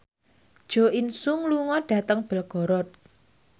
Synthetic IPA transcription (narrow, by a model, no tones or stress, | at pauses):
d̥ʒ̥o̤ʔinsuŋluŋɔɖ̥a̤t̪əŋb̥ə̤lɡ̥ɔ̤ɾɔt̪̚